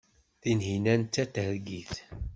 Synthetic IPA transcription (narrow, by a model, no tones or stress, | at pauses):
θinɦinænt̪ːæt̪ːhəɾɡiθ